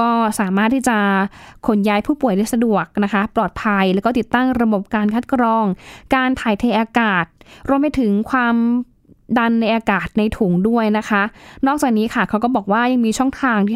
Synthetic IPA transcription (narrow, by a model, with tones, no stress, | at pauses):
kɔː˥˩saː˩˦maː˦˥˩t̪ʰːiː˥˩t͡ɕa˨˩kʰo˩˦njaː˧jpʰuː˥˩pu˨˩əjda˥˩sa˧du˨˩ək̚na˦˥kʰa˦˥plɔː˨˩t̪̚pʰa˧jlɛ˦˥kɔː˥˩t̪i˨˩t̪ːa˥˩ŋɾa˧bo˨˩p̚kaː˧nkʰa˦˥t̪̚kɾɔː˧ŋkaː˧nt̪ʰaː˨˩˦jt̪ʰeː˧ʔaː˧kaː˨˩t̪̚ɾu˧əmpa˧jt̪ʰɯ˨˩˦ŋkʰwaː˧m | da˧nːa˧jʔaː˧kaː˨˩t̪̚na˧jt̪ʰuː˩˦ŋdu˥˩əjna˦˥kʰa˦˥ʔnɔː˥˩k̚t͡ɕaː˨˩k̚niː˦˥kʰa˥˩kʰa˦˥wkɔː˥˩bɔː˨˩k̚waː˥˩ja˧ŋmiː˧t͡ɕʰɔ˥˩ŋt̪ʰaː˧ŋt̪ʰiː˥˩